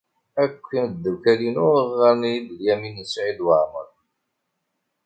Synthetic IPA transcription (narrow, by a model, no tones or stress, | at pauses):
ækʷːind̪ːəwkælinʊɾəʁːænid̪ljæminsʕid̪wəʕmə̰ɾ